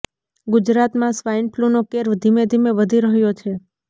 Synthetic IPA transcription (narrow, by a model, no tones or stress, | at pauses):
ɡʊd͡ʒɾat̪mãsʋainplunokeɾd̪ʱimed̪ʱimeʋəd̪ʱiɾəɦjot͡ʃʰe